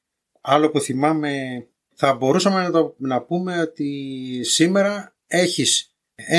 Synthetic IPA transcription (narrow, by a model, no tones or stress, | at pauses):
ɐlo̞puθimɐme̞ | θɐbo̞ɾusɐmenɐt̪onɐpume̞o̞t̪isime̞ɾɐ | e̞çis | e